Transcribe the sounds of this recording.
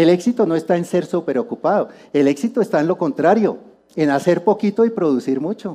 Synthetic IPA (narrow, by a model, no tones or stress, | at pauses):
ele̞ksit̪ono̞e̞st̪aense̞ɾsupeɾo̞kupaðo̞ | e̞le̞ksit̪oest̪aenlo̞kont̪ɾaɾjo̞̰ | e̞nase̞ɾpo̞kit̪oipɾo̞ðusiɾmut͡ʃo̞